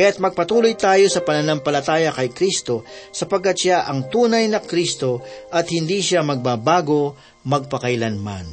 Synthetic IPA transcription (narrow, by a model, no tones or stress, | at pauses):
kɐjat̪̚mɐɡ̚pɐt̪uːlo̞jt̪aːjo̞sɐpɐnɐnɐmpɐlɐt̪aːjɐkɐjkɾist̪o̞sɐpɐɡ̚kːɐt̪ʃaʔɐŋt̪uːnɐjnɐkɾist̪o̞ʔɐt̪hɪnd̪iːʃamɐɡ̚baːbaːɡo̞ | mɐɡ̚pɐkɐjlɐnma̰n